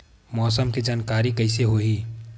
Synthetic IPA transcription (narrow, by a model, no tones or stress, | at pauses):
mɔːsəmkid͡ʒaːnkaːɾikɐɪseɦoːɦiː